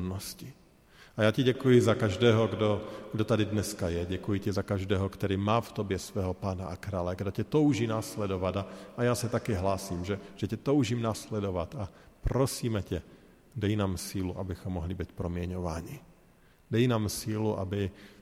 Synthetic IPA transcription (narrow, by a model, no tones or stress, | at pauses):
nnɔsci | ajaːcɛɟɛkujizakaʒd̪ɛːɦɔɡd̪ɔɡd̪ɔt̪ad̪id̪nɛskajɛɟɛkujicɛzakaʒd̪ɛːɦɔkt̪ɔɾiːmaːft̪ɔbjɛsʋɛːɦɔpaːnaʔakɾaːlaɡd̪ɔcɛt̪ɔʊʒinaːslɛd̪ɔʋad̪aːjaːsat̪akɛːɦlaːsimʒɛʒ̥ɛcɛt̪ɔʊʒiːmnaːslɛd̪ɔʋat̪apɾɔsiːmɛcɛ | d̪ajnaːmsiːluʔabixɔmːɔɦlibicpɾɔmɪɛɲɔʋa̰ːɲi | d̪ajnaːmsiluʔa̰bi